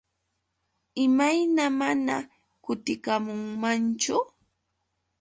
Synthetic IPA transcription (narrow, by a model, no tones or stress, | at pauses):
ɪmajnamana | kʊt̪ɪkamʊŋmant͡ʃʊ